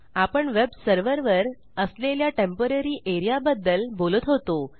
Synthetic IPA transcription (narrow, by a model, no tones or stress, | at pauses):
apəɳʋebsəɾʋəɾʋəɾ | əsleljaʈempəɾəɾiːʔeɾijabəd̪ːəlbolət̪ɦot̪o